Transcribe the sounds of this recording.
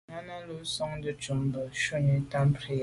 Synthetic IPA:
ŋa˦na˦lo˨˦sɔ˦ŋdə˦t͡ʃu˨m˦bə˨ʃo˦ɲə˨ta˦m˦pɾi˦˨

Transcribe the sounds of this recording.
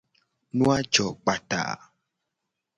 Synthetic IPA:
nũ˦a˦d͡ʒɔ˨k͡pa˨ta̰˨

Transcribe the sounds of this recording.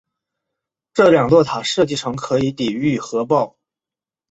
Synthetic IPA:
ʈ͡ʂɤ˥˩ljɑ˨˩ŋlwɔ˥˩t̪ʰa˨˩ʂɤ˥˧t͡ɕi˥˩ʈ͡ʂʰɤ˧˥ŋkʰɤ˧˥i˧˥t̪i˨˩y˥˩xɤ˧˥pɑ˥˩ʊ

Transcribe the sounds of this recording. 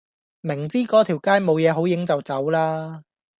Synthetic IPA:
mɪ˨˩ŋt͡siː˥kɔː˨˥t̪ʰiː˨˩wkaː˥jmo˨˧wjɛː˨˧ɦo˨˥wjɪ˨˥ŋt͡sɐ˨wt͡sɐ˨˥wlaː˥

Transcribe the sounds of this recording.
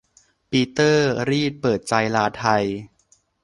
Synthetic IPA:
piː˧t̪ɤː˥˩ɾiː˥˩t̪̚pɤː˨˩t̪̚t͡ɕa˧jlaː˧˥t̪ʰa˧j

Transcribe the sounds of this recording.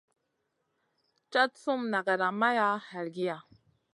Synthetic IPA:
t͡ʃa˦tsu˦mna˨ɡa˨ɾa˨ma˦ja˦ha˨ɾɡi˦ja˨

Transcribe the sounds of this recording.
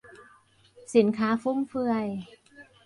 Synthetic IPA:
si˨˩˦nkʰaː˦˥fu˦˥˩mfɯ˧əj

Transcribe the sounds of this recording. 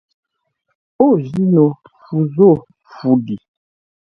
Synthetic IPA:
o˦˨ʒi˦nɔ˨ | fu˨zo˦˨ | fu˨di˨

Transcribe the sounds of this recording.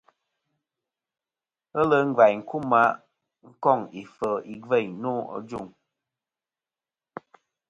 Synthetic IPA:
ə˦lə˦ŋ̩˦ɡva˨jŋ̩˨ku˦ma˦ʔ | ŋ̩˦kɔ˦˨ŋi˨fə˨i˨ɡve˦˨ɲnu˦ɔ̰˨d͡ʒu˦˨ŋ

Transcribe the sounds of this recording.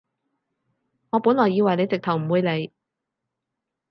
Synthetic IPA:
ŋɔː˨˧pu˨˥nlɔː˨˩ji˧wɐ˨jne˨˧jt͡sɪ˨k̚t̪ʰɐ˨˩wm̩˨˩wuː˨˧jle˨˧j

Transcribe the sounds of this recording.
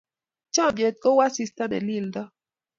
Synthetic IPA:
t͡ʃɔ̃˦˨bje˨t̪̚kɔ˦wa˦si˦st̪a˦bɛ̰˨li˦˨ldɔ˦

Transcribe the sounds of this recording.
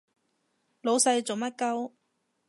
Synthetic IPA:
lo˨˧wsɐ˧jt͡so˨wmɐ˥t̚kɐ˥w

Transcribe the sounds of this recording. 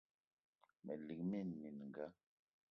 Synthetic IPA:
mɛ˨li˨k̚mi˦˨nmi˨n˨ŋ˨ɡa˦

